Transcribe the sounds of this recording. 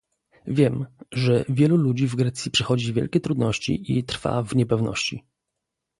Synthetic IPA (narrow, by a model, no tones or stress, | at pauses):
vʲjɛmʐɛvʲjɛlulud͡ʑivɡɾɛt̪sʲjipʂɛxɔd͡ʑivʲjɛ̰lkʲɛt̪ɾud̪nɔɕt͡ɕḭʔit̪ɾfa̰vɲɛpɛvnɔ̰ɕt͡ɕi